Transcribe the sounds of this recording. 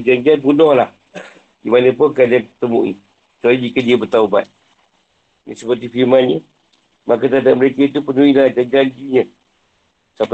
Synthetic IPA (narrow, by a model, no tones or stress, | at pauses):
d͡ʒaɲd͡ʒianbunɔhlah | dimanə̃pʊŋkalanpət̪əmṵʔḭ | t͡ʃalid͡ʒikədiəbət̪auba̰t̪̚ | nḭsəpərt̪ifiɾmanɲə | makat̪adaʔ̚məɾekait̪̬upənuilahd͡ʒaɲd͡ʒand͡ʒiɲə̃ | sap